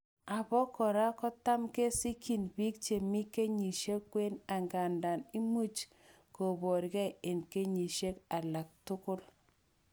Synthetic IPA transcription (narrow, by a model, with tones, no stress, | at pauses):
a˨bɔ˦kɔ˨ɾa˦kɔ˦ta˦mke˦si˦kʰi˨nbi˦k̚t͡ʃe˨mi˦ke˦ɲi˨ʃe˦kːwe˦na˨ŋɡa˨nda˨ni˦mu˦t͡ʃ | ko˨bɔ˨ɾkɛ˦e˨nke˦ɲi˨ʃe˦ka˨la˨k̚tʊ˦kʊ˦l